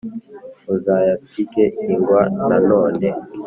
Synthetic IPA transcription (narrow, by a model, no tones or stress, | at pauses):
uzajasikɛiŋɡwananɔːnɛ